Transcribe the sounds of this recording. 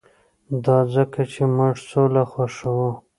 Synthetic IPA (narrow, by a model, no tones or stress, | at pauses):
d̪ɑzəkat͡ʃʰemʊʐsolaxaʂawo